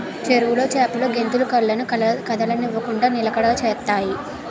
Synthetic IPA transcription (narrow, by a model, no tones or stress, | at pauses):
t͡ʃeɾuʋulo̞ːt͡ʃɛːpɐloːɡe̞nt̪ulukɐɭːɐnukɐkɐd̪ɐlɐniʋːɐkuɳɖaːnilɐkɐɽɐɡɐt͡ʃɛːt̪ːaːji